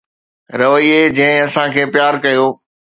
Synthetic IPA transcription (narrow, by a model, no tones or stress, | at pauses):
ɾɐʋəied͡ʑɐ̃ɦɪ̃ɐsãkʰeːpjaːɾkɐjoː